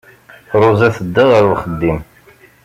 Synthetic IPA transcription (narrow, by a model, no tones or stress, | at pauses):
ɾˤozˤæθəd̪ːəðəɾwχəd̪ːim